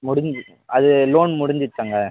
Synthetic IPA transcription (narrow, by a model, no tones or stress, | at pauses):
mʊɽɪɲd͡ʒ | ɐðɯloːnmʊɽɪɲd͡ʒɪʈːaːŋɡɐ